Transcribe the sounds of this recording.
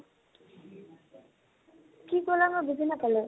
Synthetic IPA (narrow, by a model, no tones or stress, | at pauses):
kikɔlamʊbuzinapalɛ